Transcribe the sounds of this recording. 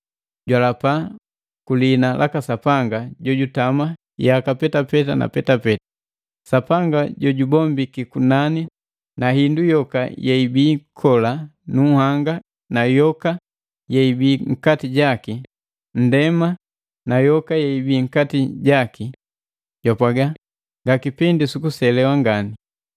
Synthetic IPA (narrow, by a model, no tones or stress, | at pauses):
ɟwalapa | kulinalʔakasapaŋɡaɟɔɟutama | jakapɛtapɛtana̰pɛtapɛtḁ | sapaŋɡaɟɔɟubɔmbikikunani | naɦindujɔka̰jɛibiːkʰɔlanuhaŋɡa | najɔka | jɛibiːŋ̩katiɟaki | n̩dɛma | najɔkajɛibiːŋ̩katiɟaki | jɔpaɡa | ŋɡakipindisukusɛlɛwaŋɡani